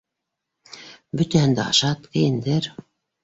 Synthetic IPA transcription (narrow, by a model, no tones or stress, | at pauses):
bɵ̆t̪æhɘ̆nd̪æɑ̰ʃɑt̪kɘ̆jɘ̆nd̪ɘɾ